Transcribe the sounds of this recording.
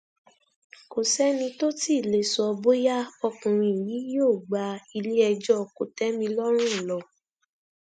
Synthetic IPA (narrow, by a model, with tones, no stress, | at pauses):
ko˨sɛ˦nĩ˧to˦ti˦˨le˨sɔ˧ɔ˧bo˦ja˦ɔ˧kũ˨ɾ̃ĩ˧i˨ji˨˦joː˦˨ɡ͡ba˨˧i˧li˦ɛ˧d͡ʒɔ˦˨ko˨tɛ˦mĩ˧lɔ˦ɾ̃ũ˦˨lɔ˧˨